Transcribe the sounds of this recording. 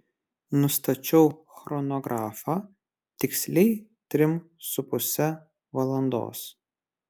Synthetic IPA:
nʊst̪ɐt͡ʃʲɛʊxɾɔnɔɡɾʔɑːfɑː | t̪ʲɪksʲlʲɛɪt̪ʲɾʲɪm | sʊpʊsʲɛ | ʋɐlˠɐnd̪o̰ːs

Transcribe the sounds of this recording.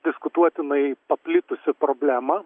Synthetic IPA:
d̪ʲɪskʊt̪uɔt̪ʲɪnɐɪpɐpʲlʲɪt̪ʊsʲɪpɾoːbʲlʲæːmɐ

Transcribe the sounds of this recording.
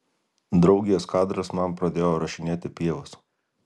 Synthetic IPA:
d̪ɾɒʊɡʲɪjoːskɑːd̪ɾɐsmɐmpɾɐd̪ʲeːjoːɾɐʃʲɪnʲeːt̪ʲɪpʲiɛʋʊs

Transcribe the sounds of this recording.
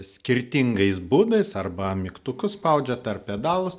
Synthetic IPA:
sʲkʲɪɾʲt̪ʲɪŋɡɐɪsbuːd̪ɐɪsɐrbɐmʲɪkt̪ʊkʊsspɐʊd͡ʒʲɛt̪ɐrppʲɛd̪ɑːlˠʊs

